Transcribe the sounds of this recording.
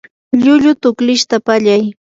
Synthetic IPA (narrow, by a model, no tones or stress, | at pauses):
ʎʊʎʊt̪ʊklɪʃt̪apaʎaj